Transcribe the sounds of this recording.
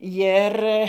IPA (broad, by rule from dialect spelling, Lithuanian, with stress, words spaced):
ˈjɪr